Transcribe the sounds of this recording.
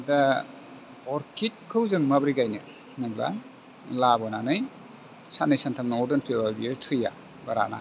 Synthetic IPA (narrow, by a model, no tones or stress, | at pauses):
da | ɔɾkʰit̚kʰɯwzɯŋmabɾiɡajnɯ | nɯmla̰ | labɔnanɯj | sanɯjsantʰamnɔɾdɯnpʰebabiotʰɾija̰ | baɾa̰na̰